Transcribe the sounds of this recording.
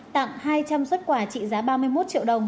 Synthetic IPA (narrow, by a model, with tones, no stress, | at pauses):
t̪a̰ː˧˨mhaː˧jt͡ɕa˧mswə˦˥t̚kwaː˧˩t͡ɕḭ˧˨zaː˨˦ɓaː˧mɨ˧əjmo˦˥t̚t͡ɕḭ˧əwɗə˨˩wŋ͡m